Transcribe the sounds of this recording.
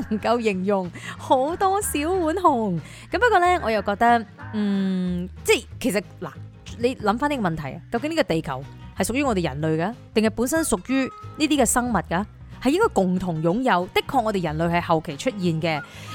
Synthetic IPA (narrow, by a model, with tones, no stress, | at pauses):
ŋkɐ˧wjɪ˨˩ŋjʊ˨˩ŋho˨˥wt̪ɔː˥si˨˥wwuː˨˥nɦʊ˨˩ŋ | kɐ˨˥mpɐ˥t̚kɔː˧lɛː˥ŋɔː˨˧jɐ˨˧wkɔː˧k̚t̪ɐ˥k̚n̩ː˥˩t͡sɛ˥˩kʰe˨˩jsɐ˨t̚la̰ː˨˩ | le˨˧jlɐ˨˧mfaː˥niː˥kɔ˧mɐ˨nt̪ʰɐ˨˩jɐ˨kɐ˧wkɪ˧˥ŋniː˥kɔ˧t̪e˨jkʰɐ˨˩whɐ˨jsʊ˨k̚jyː˥ŋɔː˨˧t̪e˨jɐ̰˨˩nlɵ˨˧ɥkaː˧t̪ɪ˨ŋhɐ˨˩jpuː˨˥nsɐ˥nsʊ˨k̚jyː˥niː˥t̪iː˥kɛː˧sɐ˥ŋmɐ˨t̚kɐ˧ | hɐ˨jɪ˥ŋkɔː˥jkʊ˨˩ŋt̪ʰʊ˨˩ŋjʊ˨˥ŋjɐ˨˧wt̪ɪ˥kʰːɔː˧k̚ŋɔː˨˧e˨jɐ˨˩nlɵ˨˧ɥhɐ˨jhɐ˨wkʰe˨˩jt͡ʃʰɵ˥t̚jiː˨nkɛː˧